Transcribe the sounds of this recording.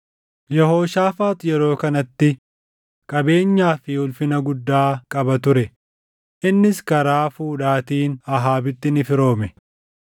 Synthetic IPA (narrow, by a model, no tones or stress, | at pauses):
jɛho̞ːʃaːfaːt̪jɛɾo̞ːkɐnɐt̪ːɪ | kʼɐbe̞ːɲːaːfɪhʊlfɪnɐɡʊd̪ːaːkʼɐbɐt̪ʊɾɛ | ʔɪnːɪskɐɾaːfuːᶑaːt̪iːnɐɦaːbɪt̪ːɪnɪfɪɾo̞ːmɛ